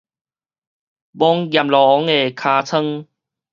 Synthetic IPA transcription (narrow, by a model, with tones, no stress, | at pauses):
bɔ˦˥ŋɡja˨˩mlɔ˨ɔ˨˦ŋe˨˩kʰaː˧t͡sʰə˦˧ŋ